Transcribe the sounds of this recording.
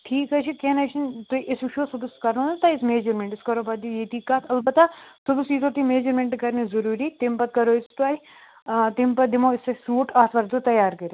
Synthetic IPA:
ʈʰiːkɐt͡ʃʰikenɐʃint̪uʔɪsʃoːsubuskɐɾnõnɐt̪ɐɪsmeːd͡ʒɐɾmẽɳʈɪskɐɾoːbɐd̪ijeːt̪iːkːaːt̪ʰɐlbɐt̪ːasubusiːt̪oːt̪imeːd͡ʒɐɾmeɳʈkɐɾnizɐɾuːɾiːt̪ɪmpɐt̪̚kɐɾoːɪst̪uaːi | t̪impɐd̪imoːɪsesuːʈaːsʋɐɾd̪ut̪ɐjaːɾkɐɾe

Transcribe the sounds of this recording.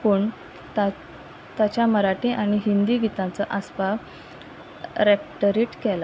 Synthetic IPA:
pəɳ | t̪a | t̪at͡ɕjaməɾaʈiʔaɽ̃iɦind̪iːɡʱit̪ãt͡səʔaspa | ɾek̚ʈəɾiʈkɛla

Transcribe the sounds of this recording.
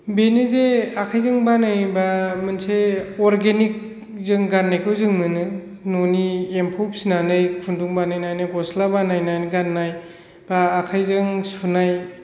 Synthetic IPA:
benɯzeakʰajzɯŋbanajbamɯnseɔɾɡenik̚ | zɯŋɡanːajkʰɯwzɯŋnɯnɯ | noniempʰɔpsinanɯjkʰunduŋbanajnajnɯkɔslabanajnajnɯɡanːaj | b̥aːkʰajzɯŋsunaj

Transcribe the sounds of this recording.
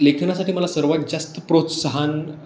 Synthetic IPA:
lekʰnasaʈiːməlasəɾʋat̪̚d͡ʑast̪əpɾot̪səɦan

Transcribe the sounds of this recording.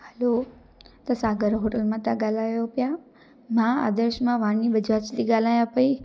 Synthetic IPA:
həlo | t̪ɐsaːɡəɾɦoʈəlmãt̪ãɡaːlaːjopja | mãa̰d̪əɾʃmãʋãɳibəd͡ʒat͡ʃliɡaːlaːjãpəi

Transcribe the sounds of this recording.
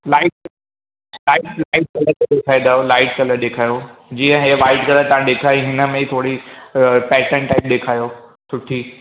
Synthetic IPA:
laːɪʈ | laːɪʈlaːɪʈ̚kɐləɾk̪ed̪eːkʰaːĩd̪aːjolaːɪʈ̚kɐləɾɗ̪eːkʰaːjod͡ʑiːə̃ɦeʋaːɪɖkɐləɾt̪ɐʋ̤ãɗ̪eːkʰaːjiɦɪnə̆mẽt̪ʰoːɽi | pɛːʈə̃ɳʈʈaɪp̚ɗ̪eːkʰaːjoːsʊʈʰiː

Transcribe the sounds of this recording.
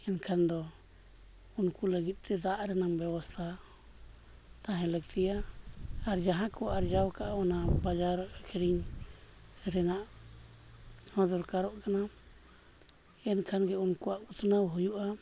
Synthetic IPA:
ɛnkʰand̪ɔ | unkuləɡit̪̚ˀt̪ɛd̪aʔɾɛnaŋbɛbast̪ʰa | t̪ãɦɛ̃lək̚t̪ʰijaː | ɾd͡ʒaɦãkɔwaʔaɾd͡ʒawkaʔaɔnabad͡ʒaɾɔʔkʰɛɾiɲ | ɾɛnaʔ | hɔd̪ɔɾkaɾɔʔkana | ɛnkʰanɡɛunkuaʔut̪ʰnawɦujuʔa

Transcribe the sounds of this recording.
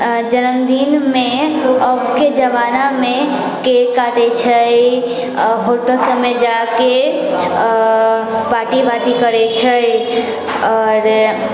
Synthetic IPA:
d͡ʒənəmd̪inmeəbked͡ʒəʋaname | kekaʈet͡ʃʰə | ɦoʈəsəmed͡ʒake | paʈibaʈikəɾet͡ʃʰəj | ɔːɾ

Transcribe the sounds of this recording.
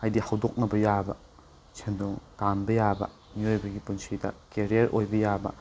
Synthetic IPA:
ajdihawdok̚nɐbɐjabɐ̰ | sʰendoŋtambɐjabɐ̰ | miojbɐɡipunsʰidɐ̰keɾijɐɾʔojbɐjabɐ̰

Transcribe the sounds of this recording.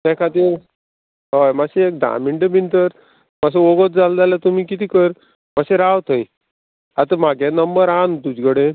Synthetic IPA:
t̪ɛkʰat̪iɾ | ɦəjmaɕeek̚d̪a̰miɳʈəbint̪əɾ | məs̬eoɡət̪̚d͡zald͡zalat̪umiːkit̪iːkəɾ | məɕẽɾawt̪ʰəj | at̪əmaɡʱãnəmbəɾant̪ud͡ʑɡəɽe

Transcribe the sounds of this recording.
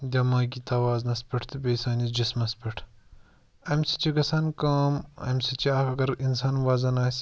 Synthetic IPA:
d̪ʲɐmaːɡit̪ɐːʋaːznɐspɐʈʰt̪ʰɨbʲeːsaːnʲisd͡ʒismɐspɐʈʰ | ɐmʲsi̥t͡ʃiɡɐsaːnkaːmɐ̰mʲsit͡ʃiaːkɐɡɐɾinsaːnʋaːzɐnaːsʲ

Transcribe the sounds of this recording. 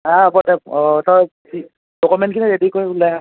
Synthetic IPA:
apɔdɛɔtɔ | i | dokumɛntkʰiniɹedikojulaa

